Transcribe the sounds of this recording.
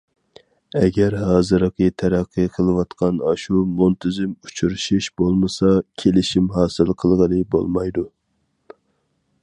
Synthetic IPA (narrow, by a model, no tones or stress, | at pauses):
ɛɡʲæɾɦɑːzɨɾəqʰət̪ʰɛɾæqʰːɨqʰəlˠɨwɑt̪qʰɑnɑʃumunt̪ʰɪzɪmut͡ʃʰuɾɨʃiʃbolˠmɨsɑkʲʰelɪʃimɦɑːsɨlˠqʰəlˠʁəlɨbo̰lˠmɑjd̪u